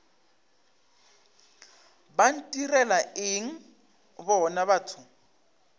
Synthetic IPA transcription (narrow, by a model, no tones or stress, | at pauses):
ban̩tʼirɛlaɪŋ̩ | bɔnaβatʰʊ